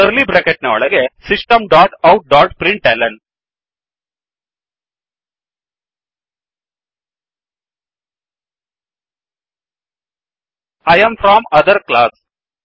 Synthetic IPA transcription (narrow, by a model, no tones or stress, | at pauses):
əɾlibɾekeʈnɐɔ̰ɭɐɡesisʈɐmɖaːʈɐwʈ̚ɖaːʈpɾiɳʈelɐ̃ɳ | ɐjɐ̃mfɾɔːmɐd̪ɐɾklaːs